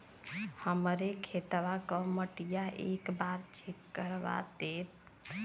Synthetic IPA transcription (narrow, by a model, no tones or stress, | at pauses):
həmɾekʰet̪ʋakəməʈijaʔḛkbaɾt͡ʃʰikːəɾba̰t̪et̪̚